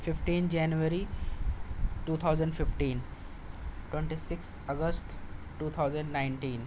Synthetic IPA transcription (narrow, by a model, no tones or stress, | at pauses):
fɪfʈĩːnt̪ʰd͡ʒanjuəɾi | ʈuːt̪ʰaʊzə̃ɳɖfɪfʈiːn | ʈwẽɳʈisɪkst̪əɡəsʈ̪ː | uːt̪ʰaʊzə̃ɳɖnãɪ̃ɳʈĩːn